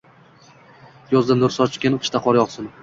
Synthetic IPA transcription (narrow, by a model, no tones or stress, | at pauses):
jɒzd̪anʊɾsɒt͡ʃʰɪ̥kʲen̥ʰʃt̪aqʰɒɾjɒqsɪn